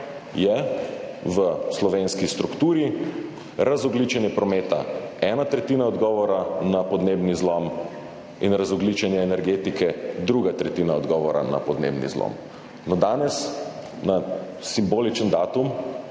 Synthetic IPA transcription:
jɛ | ʋəslɔʋenskist̪ɾukt̪uːɾi | ɾazɔɡlit͡ʃɛnjɛpɾɔmeːt̪aɛːnat̪ɾɛt̪iːnaɔd̪ɡɔːʋɔɾanapɔd̪neːbnizlɔm | inɾazɔɡlit͡ʃɛnjɛːnɛɾɡeːt̪ikɛd̪ɾuɡat̪ɾɛt̪iːnaɔd̪ɡɔʋɔɾa̰na̰pɔd̪nḛbnḭzlɔ̰m | nɔd̪aːnɛs | na | simboːlit͡ʃənd̪aːt̪um

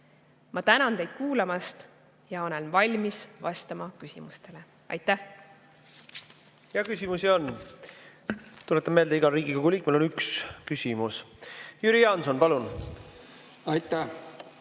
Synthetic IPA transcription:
mʔɑt̪ænɑnt̪e̞jd̪̥kuːlɑmɑst̪ | jɑo̞lɛnvɑlʲmisvɑst̪ɑmɑkysimust̪e̞le̞ | ɑ̰jt̪ːæh | jɑkysʲimusio̞nː | t̪ulet̪ːˑeme̞ld̪eiɡ̥ɑɾiːɡ̥ikoɡ̥uliːk̚ˑmelonykskysʲimusjyɾiɑnsonpɑlun | ɑjt̪ːæ

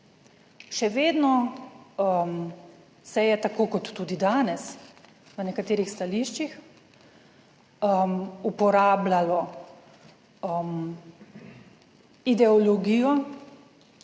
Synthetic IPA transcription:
ʃɛʋeːd̪nɔ | m | sɛjɛt̪akoːkɔt̪ːuːd̪id̪aːnɛs | ʋənɛkat̪eːɾixst̪aliʃt͡ʃix | əmupɔɾaːblalɔ | əm | id̪ɛɔlɔɡiːjɔ

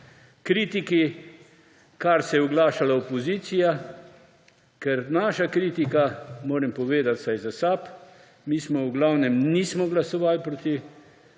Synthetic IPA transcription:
kɾiːt̪iki | kaɾsɛjɛuɡlaːʃalaopɔziːsija | kɛɾnaːʃakɾiːt̪ikamoːɾɛmpɔʋeːd̪at̪sajzasaːp | miːsmɔuɡlawnɛmniːsmɔɡlasɔʋalpɾoːt̪i

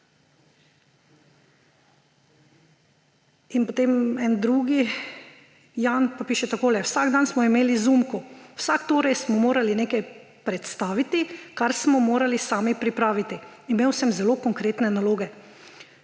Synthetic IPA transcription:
inpɔt̪emɛnd̪ɾuːɡi | janpapiːʃɛt̪akoːlɛwsaɡd̪ansmɔimeːlizumkɔwsakt̪oːɾɛjsmɔmoːɾalinekaj | pɾɛt̪st̪aːʋit̪ikaɾsmɔmoːɾalisaːmipɾipɾaːʋit̪iimeːwsɛmzɛlokɔŋkɾeːt̪nɛnaloːɡɛ

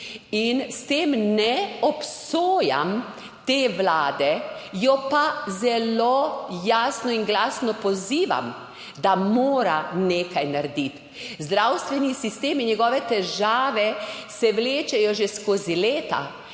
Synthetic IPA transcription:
inst̪eːmnɛɔpsoːja̰m | t̪eːʋlaːd̪ɛjɔpazɛlojaːsnɔinɡlaːsnɔpɔziːʋa̰m | d̪amoːɾaneːkajnaɾd̪it̪ | zd̪ɾawst̪ʋɛnisist̪eːminɲɛɡɔʋɛt̪ɛʒaːʋɛsɛʋleːt͡ʃɛjɔʒeskoːzileːt̪a̰

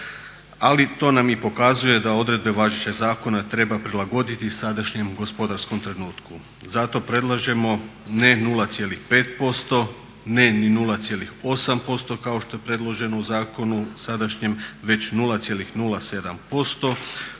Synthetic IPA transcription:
alit̪o̞ːnamipo̞kazuje̞d̪ao̞d̪ɾe̞d̪̚be̞ʋaʒit͡ɕazaːko̞nat̪ɾe̞bapɾilˠaɡo̞d̪it̪isad̪aʃɲe̞mɡo̞spo̞d̪aɾsko̞mt̪ɾe̞nuːt̪ku | zat̪o̞pɾe̞d̪lˠaʒe̞mo̞ne̞nuːlˠat̪sje̞lixpe̞ːt̪po̞st̪o̞ | ne̞ninulˠat̪je̞lixo̞sampo̞st̪o̞kaoʃt̪o̞je̞pɾe̞d̪lˠo̞ʒe̞nouzaːko̞nusad̪aʃɲe̞mʋe̞t͡ɕnuːlˠat̪sje̞lixnuːlase̞d̪ampo̞st̪o̞

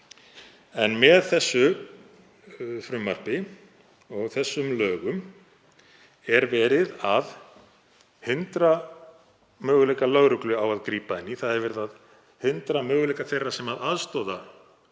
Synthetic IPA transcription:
ɛnmɛðθɛsːʏ | fɾʏmːar̥pɪ | ɔɣθɛsːʏmlœːɣʏm | ɛɾvɛːɾɪðað | hɪnt̪ɾa | mœːɣʏlejkalœɣɾʏklʏawaðkɾiːpaɪnːiθaðɛɾvɛːɾɪðað | hɪnt̪ɾamœːɣʏlejkaθejrːasɛmaðaðst̪ɔːða

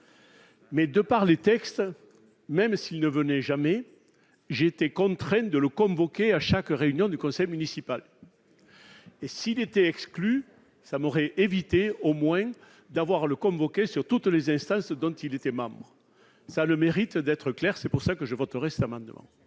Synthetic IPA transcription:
mɛd̪əpaʁlet̪ɛkst̪ | mɛmsilnəvənɛʒamɛ | ʒeːt̪ekɔ̃t̪χɛ̃d̪ələkɔ̃vɔkeaʃakʁeynjɔ̃d̪ykɔ̃sɛjmynisipal | esiːlet̪ɛɛkskly | samɔʁɛʔevit̪eomwɛ̃ | d̪avwaʁləkɔ̃vɔkesyʁt̪ut̪lezɛ̃st̪ɑ̃sd̪ɔ̃t̪ilet̪ɛmɑ̃bʁə | saləmeʁit̪d̪ɛt̪χəklɛʁsɛpuʁsakəʒəvɔt̪əʁɛsɛt̪amɑ̃d̪əmɑ̰̃

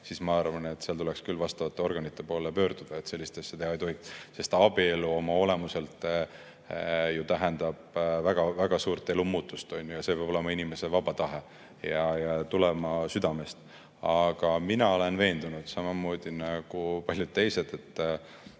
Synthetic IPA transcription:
siːsmɑɑrvɑne̞t̪seɑlt̪ule̞kskylːvɑst̪ɑvɑt̪ːe̞o̞rɡ̥ɑnit̪ˑːe̞po̞ːlepø̞ːɾd̪ud̪̥ɑet̪se̞lːist̪e̞sːet̪e̞hɑejt̪o̞ɦikse̞st̪ɑbie̞luo̞mɑo̞lemuse̞lt̪ˑ | jut̪æɦend̪̥ɑb̥væɡ̥ɑvæɡ̥ɑsuːɾt̪ːˑe̞lumuːt̪ːˑust̪o̞nʲjujɑse̞peɑbole̞mɑinime̞se̞vɑb̥ɑt̪ɑɦe | jɑjɑt̪ulemɑsyd̪̥ɑme̞st̪ | ɑɡ̥ɑminɑo̞le̞nve̞ːnd̪̥unud̪̥sɑmɑmo̞ːd̪̥inɑɡ̥upɑlʲjud̪̥̚t̪e̞jse̞d̪̥e̞t̪ː

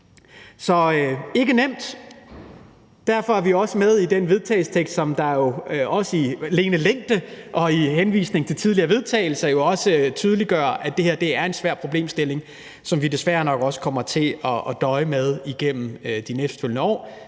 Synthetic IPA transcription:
sɒ̽e̝ɡ̥ənem̰d̥ | d̥æɐ̰fɒ̽æɐʋioɒ̽səmeð̞ˠid̥enʋe̝ð̞ˠt͡sʰɛ̰ɪlsə̥t͡sʰeɡ̥sd̥sɒ̽md̥ɑ̈jo̝ʔɒ̽səile̝ːnəleŋ̰d̥əʔɒ̽ihenʋḭːsne̝ŋ̩t͡sʰe̝lt͡sʰið̞ˠliɐːʋe̝ðˠt͡sʰɛ̰ːɪl̩sɐjo̝ɒ̽sət͡sʰyːð̞ˠəliɡ̥ɶɐ̰æd̥e̝he̝ɐd̥e̝æɐe̝nsʋæɐ̰pʰʁoble̝̰ːmsd̥e̝le̝ŋ | sɒ̽mʋid̥e̝sʋæɐnɒ̽ɡ̥ɒ̽sə̥kʰɒ̽m̰ɐt͡sʰe̝ɒ̽ːd̥ɒ̽ɪəmeð̞ˠiɡ̥em̰m̩ød̥inesd̥følnəɒ̰ː

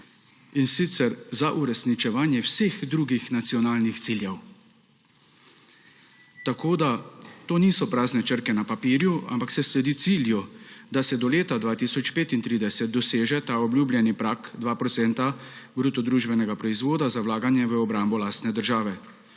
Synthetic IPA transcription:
insiːt̪sɛɾzaʔuɾɛsnit͡ʃɛʋaːnjɛwsexd̪ɾuːɡixnat̪siɔnaːlnixt̪siljɛw | t̪akʰoːd̪at̪oːniːsɔpɾaːznɛt͡ʃəɾkɛnapapiːɾjua̰mpaksɛslɛd̪iːt̪siljud̪asɛd̪ɔleːt̪ad̪ʋaːt̪iːsɔt͡ʃpeːt̪int̪ɾiːd̪ɛsɛt̪̚d̪ɔseːʒɛt̪aːɔbljuːblʲjɛnipɾaːkd̪ʋaːpɾɔt̪sɛnt̪abɾut̪ɔd̪ɾuːʒbɛnɛɡapɾɔizʋoːd̪azawlaːɡanjɛʋəɔbɾaːmbɔlaːst̪nɛd̪əɾʒaːʋɛ

